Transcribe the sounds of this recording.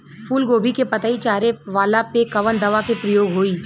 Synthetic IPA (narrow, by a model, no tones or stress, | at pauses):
fʰuːlɡoːbʱikepɐt̪ait͡ʃaːɾeʋaːlapekɐʋənd̪ɐʋakepɾəjoːɡɦoːiː